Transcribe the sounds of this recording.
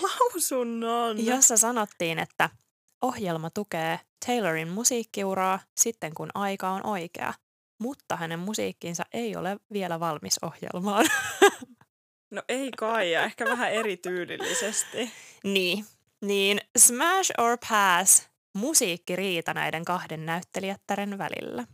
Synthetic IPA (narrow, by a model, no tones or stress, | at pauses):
lɑusunːɑːnjosːɑsɑnot̪ːiːnet̪ːæ | ʔo̞hjelmɑt̪ukeːt̪ʰe̞jleɹinmusiːkːiuɾɑːsit̪ːe̞ŋkunʔɑjkɑonʔo̞jkḛɑ̰ | mut̪ːɑhæne̞mmusḭːkːinsɑ̰ʔejo̰leʋielæʋɑlmiso̞̰hjḛlmɑːn | noʔeikɑjɑehkæʋæɦæeɾit̪yːlḭlːḭsest̪iniː | niːnsmæʃoɹpʰæːs | musiːkːiɾiːt̪ɑnæ̰jde̞ŋkɑhdenːæyt̪ːeliæt̪ːæɾenʋæ̰lḭlːæ